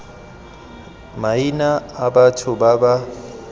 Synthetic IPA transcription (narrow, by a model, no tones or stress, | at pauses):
mainaːbatʰʊbaba